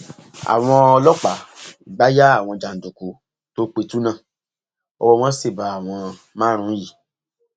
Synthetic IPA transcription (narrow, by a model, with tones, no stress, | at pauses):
a̰˨w̃ɔ̃˧ɔ˧lɔ˦k͡pa˨ɡ͡ba˦ja˦a˦˨w̃ɔ̃˧d͡ʒa˨n̩˨du˨ko˨˦ | to˦k͡pe˧tu˨˦nã˦˨ | ɔ̰˧wɔ˧w̃ɔ̃˦se˦˨ba˨˦a˨w̃ɔ̃˧ | mãː˦ɾ̃ũ˨˦ji˦˨